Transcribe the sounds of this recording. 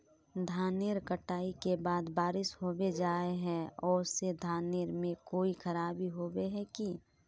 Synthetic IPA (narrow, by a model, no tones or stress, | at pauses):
d̪ʱaːneːɾkəʈaːikebaːd̪baːɾɪsɦobed͡ʒaːeɦɛ̃ɔːsed̪ʱaːneːɾmẽkoːixʰəɾaːbʱiɦoːbeɦɛki